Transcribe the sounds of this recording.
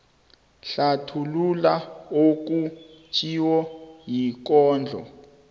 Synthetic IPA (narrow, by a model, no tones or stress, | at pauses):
ɬatʰululaok̬ut͡ʃʰʼiwɔjik̬ɔːnd͡ɮʱɔ̰